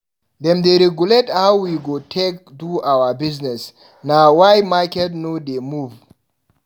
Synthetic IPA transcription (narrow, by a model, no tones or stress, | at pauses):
dɛ̃mdeɾɛɡulethawwiɡotʰɛk̚duawabiznɛs | nawajmakɛtnodemuv